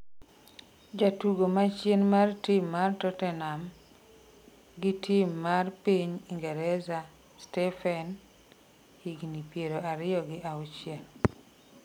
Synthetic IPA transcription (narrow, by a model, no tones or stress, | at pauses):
d͡ʒatuɡomat͡ʃjenmartimːartɔtɛnam | ɡɪtimːarpiɲiŋɡɛɾɛza | stɛfɛn | hiɡnipjeɾoʔaɾɪjɔɡɪʔaut͡ʃjen